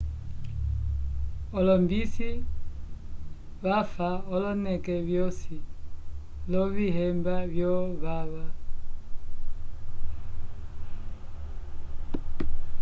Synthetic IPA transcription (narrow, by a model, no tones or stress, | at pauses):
ɔlɔmbisi | βafaɔlɔnɛkɛβjɔsi | lɔviɦɛmbavjɔβaβa